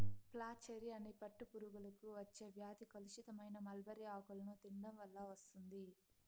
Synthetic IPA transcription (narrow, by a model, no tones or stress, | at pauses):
plaːt͡ʃeɾiɐnːipɐʈːupuɾuɡulɐkuʋɐt͡ʃːe̞ːʋjaːd̪ikɐluʃit̪ɐmɐjnɐmɐlbɐɾiaːɡulɐnut̪iɳɖɐmʋɐlːɐʋɐst̪und̪i